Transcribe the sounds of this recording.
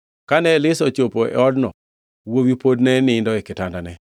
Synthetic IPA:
kanɛlɪsɔt͡ʃopoʔɛ̰ɔdnɔ | wowipodnɛnɪndɔɛkɪtandanɛ

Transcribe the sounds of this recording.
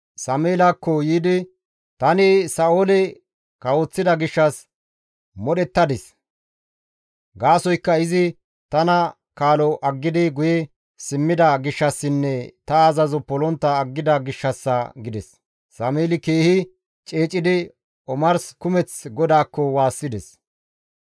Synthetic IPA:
sɐmeːlakːɔjiːd̪ɪ | t̪ɐnɪsɐoːlɛ | kɐwot͡sːɪd̪ɐɡɪʃːɐs | mɔɗɛt̪ːɐd̪ɛs | ɡaːsɔjkːɐɪzɪ | t̪ɐnɐ | kaːlɔʔɐɡːɪd̪ɪɡʊjɛ | sɪmːɪd̪ɐɡɪʃːɐsːɪnːɛt̪ɐːzɐzɔpɔlɔnt̪ːɐːɡːɪd̪ɐɡɪʃːɐsːɐɡɪd̪ɛsː | ɐmeːlɪkeːhɪ | t͡ʃʼeːt͡ʃʼːɪd̪ɪ | ɔmɐɾskʊmɛt͡sɡɔd̪aːkːɔwaːsːɪd̪ɛs

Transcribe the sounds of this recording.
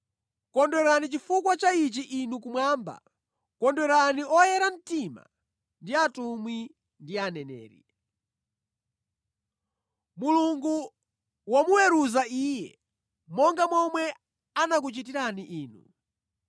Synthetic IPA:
kɔndɛɾanit͡ʃifukwat͡ʃait͡ʃiʔinukumwaːmba̰ | kɔndɛɾaniɔjɛɾan̩tima̰ | ndiatumwi | ndianɛnɛ̰ːɾḭ | muluŋɡu | wamuwɛɾuzaiːjɛ̰ | mɔŋɡamɔmwɛ | anak̬ut͡ʃit̬iɾaniʔiːnu

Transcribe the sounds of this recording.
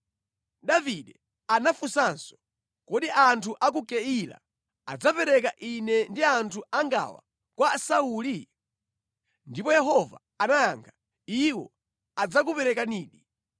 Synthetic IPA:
ɗaviɗɛ | anafusansɔ̥ | kɔɗiʔantʰuʔak̬ukɛila̰ | ad͡zapɛɾɛkaʔinɛndiantʰuaŋɡa̰wa̰ | kwasauːli | ndipɔjɛɦɔva̰ | anajaŋkʰḁ | iwɔ̰ | ad͡zak̬upɛɾɛkaniːɗi

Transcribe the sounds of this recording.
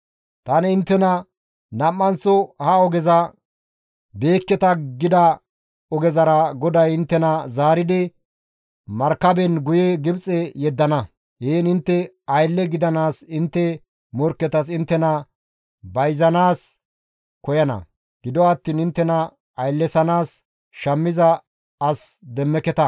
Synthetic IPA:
t̪ɐnɪnt̪ːɛnɐ | nɐmːɐnt͡sɔhɐɔɡɛzɐ | be̞ːkːɛt̪ɐɡɪd̪ɐ | ɔɡɛzɐɾɐɡɔd̪ɐjɪnt̪ːɛnɐzaːɾɪd̪ɪ | mɐɾkːɐbɛnɡʊjɛɡɪbt͡sʼɛjɛd̪ːɐnɐ | heːnɪnt̪ːɛ | ɐjlːɛɡɪd̪ɐnaːsɪnt̪ːɛ | mɔɾkːɛt̪ɐs̬ɪnt̪ːɛnɐ | bɐjzɐnaːs | kɔjɐnɐ̰ | ɡ̥ɪd̪ɔɐt̪ːiːnɪnt̪ːɛnɐ | ɐjlːɛsɐnaːs | ʃɐmːɪzɐ | ɐsd̪ɛmːɛkɛt̪ɐ

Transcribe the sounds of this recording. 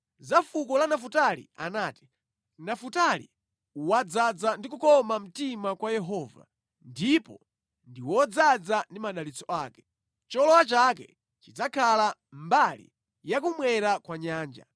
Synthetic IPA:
zafukɔlanaf̬utalḭa̰naːti̥ | nafutalḭ | uwad͡zad͡zandikukɔmam̩timakwajɛɦɔːva̰ | ndipɔ | ndiwɔd͡zad͡zandimaɗalit͡sɔaːkɛ̥ | t͡ʃɔlɔwat͡ʃakɛ̰ | t͡ʃid͡zakʰalambalḭ | jak̬umwɛɾakwaɲaːnd͡ʒa̰

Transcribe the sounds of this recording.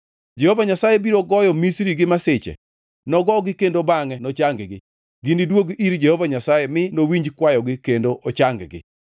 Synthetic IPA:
d͡ʒehovaɲasajebiɾoɡɔjɔmisɾiɡɪmasɪt͡ʃɛ̰ | nɔɡɔɡɪkendobaŋɛnɔt͡ʃaŋɡɡɪ | ɡindidwoɡiɾd͡ʒehovaɲasajemɪnowiɲd͡ʒkwajɔɡɪkendoʔot͡ʃaŋɡɡɪ̰

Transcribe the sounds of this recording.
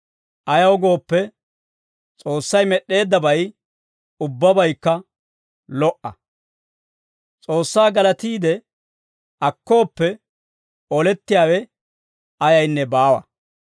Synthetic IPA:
ʔɐjɐwɔɡo̞ːpːɛ | t͡sʼoːsːɐjmɛɗːe̞ːd̪ːɐbɐj | ʊbːɐbɐjkːɐ | lɔʔɐ | t͡sʼo̞ːsːaːɡɐlɐt̪iːd̪ɛ | ʔɐkːo̞ːpːɛ | ɔlɛt̪ːɪjaːwɛ | ʔɐjɐjnːɛbaːwɐ̰

